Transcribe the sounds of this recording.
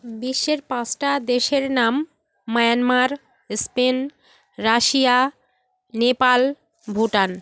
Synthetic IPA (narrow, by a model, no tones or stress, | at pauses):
biʃːeɾpãsʈad̪eʃeɾnamː | ɔjanmaɾ | spen | ɾaʃija | nepal | bʱuʈan